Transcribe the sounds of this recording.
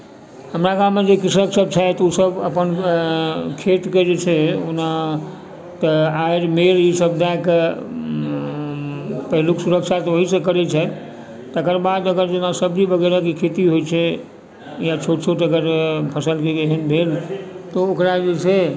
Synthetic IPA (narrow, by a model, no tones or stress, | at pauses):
ɦəmɾaɡamːed͡ʒekisəksəb̚t͡ʃʰat̪usəbəpən | kʰet̪ked͡ʒet͡ʃʰɛona | t̪əaiɾmeɾisəbd̪ak | pəɦiluksuɾəkʃʰat̪ɔʋoɦisə̃kəɾɛt͡ʃʰɛ | t̪əkəɾbad̪əɡəɾd͡ʒenasəbd͡ʒibəɡəɾakekʰet̪iɦojt͡ʃʰɛ | jat͡ʃʰoʈt͡ʃʰoʈəɡəɾpʰəsəlkeeɦənbʱelt̪ɔokɾad͡ʒet͡ʃʰe